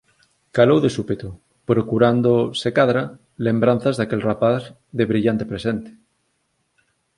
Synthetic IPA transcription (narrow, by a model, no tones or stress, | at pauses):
kalowðesupet̪o | pɾokuɾand̪osekaðɾa | lẽmbɾan̟θazðakelrapaθ | ðeβɾiʎant̪epɾesent̪e̥